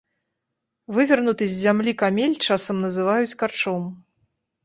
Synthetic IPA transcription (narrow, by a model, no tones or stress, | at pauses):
vɨvʲɐrnut̪ɨzʲːamlʲikamʲelʲt͡ʂasɐmnɐzɨvajut͡sʲkart͡ʂɔm